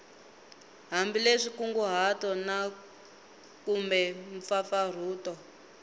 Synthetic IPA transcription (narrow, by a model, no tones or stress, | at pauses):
ɦambileʂikuŋɡuɦatɔna | kumbɛɱfafar̤uːtɔ